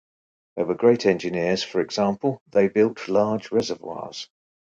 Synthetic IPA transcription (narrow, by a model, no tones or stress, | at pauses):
ðəɪwəɡɹeɪtʰɛ̃nd͡ʒɪnɪəz̥fəɹɛɡz̥ɑ̃ˑmpʰəlˠðeɪbɪlˠʔlɑːd͡ʒɹɛzəvwɑ̰ːz̥